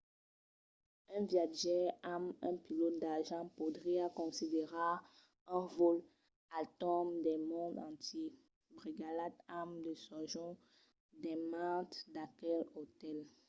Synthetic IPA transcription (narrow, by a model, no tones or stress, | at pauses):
ɛ̃vjaʒɛamɛ̃pilod̪aʁʒɑ̃pud̪ʁiakɔ̃sid̪eʁa | ɛ̃vol | at̪ɔmd̪ɛmɔ̃d̪ɑ̃t̪e | bʁiɡalad̪amd̪əsɔʒɔ̃ | d̪ɛmãt̪d̪akɛlot̪ɛl